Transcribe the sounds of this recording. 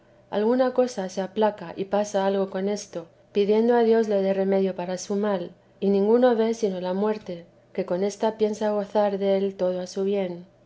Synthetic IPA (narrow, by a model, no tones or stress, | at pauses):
a̰lɣunako̞sase̞aplakaʔipasaalɣo̞ko̞ne̞st̪o̞ | piðje̞nd̪oaðjo̞zle̞ð̞e̞re̞me̞ðjo̞paɾasumal | inĩŋɡuno̞βe̞sino̞lamwe̞ɾt̪e̞ | ke̞ko̞ne̞st̪apje̞nsaɣ̞o̞θaɾðee̞lt̪o̞ð̞oasuβje̞n